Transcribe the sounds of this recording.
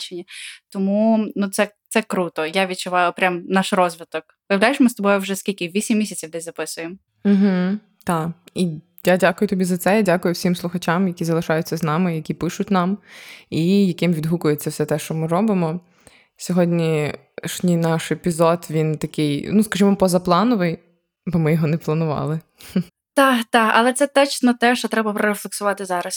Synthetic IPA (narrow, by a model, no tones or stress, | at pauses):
t͡ʃenʲɐt̪ɔmunut̪sɛt̪sɛkɾut̪ɔjaʋʲid̪̚t͡ʃʊʋɑjʊɔpɾʲamnɑʃrɔzʲʋʲɪt̪ɔkpɔjɐwlʲajɪʃmɪst̪ɔbɔjʊwʒɛskʲilʲkɪʋʲisʲimːʲisʲɐt͡sʲiwd̪ɪzɐpɪsʊjem | m̩ɦ̩ | t̪ɑi | jadʲakʊjʊt̪ɔbʲizɐt̪sɛadʲakʊjʊwsʲimslˠʊxɐt͡ʃamjɐkʲizɐlˠɪʃɑjʊtʲt͡sʲːɐznɑmɪjɐkʲipɪʃʊtʲnɑmijɐkɪmʋʲid̪ɦukʊjet͡sʲːɐwsɛt̪ɛʃt͡ʃɔmɪɾɔbɪmɔ | sʲɔɦɔdʲnʲi | ʃnʲijnɑʃepʲizɔd̪ʋʲint̪ɐkɪjnuskɐʒimɔpɔzɐplˠɑnɔʋɪj | bɔmɪjɔɦɔnɛplˠɐnʊʋɑ̰lˠɪ | t̪ɑt̪ɑɐ̰lˠɛt̪sɛt̪ɔt͡ʃsnɔt̪ɛʃt͡ʃɔt̪ɾɛbɐpɾɔɾeflˠeksʊʋɑt̪ɪzɑɾɐs